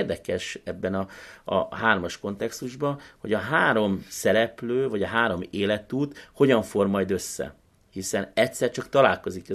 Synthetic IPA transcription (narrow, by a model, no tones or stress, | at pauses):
rd̪ɛkɛʃɛbːɛnɒɒ̰ɦaːrmɒʃko̞nt̪ɛkst̪uʒbɒho̞ɟɒɦaːɾo̞msɛɾɛpløːvɒɟɒɦaːɾo̞meːlɛt̪uːt̪ho̞ɟɒɱfo̞rmɒjd̪ø̞sːɛ̰ | hisɛnɛctʲsɛrt͡ʃɒkt̪ɒlaːlko̞zikɛ